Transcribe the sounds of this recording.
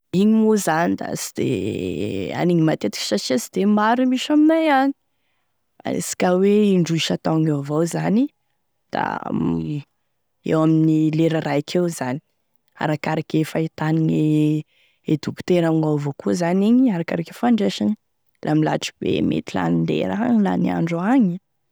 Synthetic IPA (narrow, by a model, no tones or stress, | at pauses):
iɲimuzanid̪a̰si̥d̪̥ḛ | a̰niɲimat̪et̪i̥ki̥saʈ͡ʂiasid̪̥emaɾumiʃaminajani̥ | a̰ḛsi̥kaweiɳɖ͡ʐuiʃat̪aŋovawzani | d̪̥a̰ | ḛwaminnileɾaɾakʰewzani̥ | a̰ɾakaɾakefait̪anine | ed̪uku̥t̪eɾaŋavokuzaniɲiaɾakaɾakefaɳɖ͡ʐeʃani | lʔamila̰ʈ͡ʂi̥b̥ḛmḛt̪ila̰nind̪ḛɾaŋla̰nia̰ɳɖ͡ʐuaŋi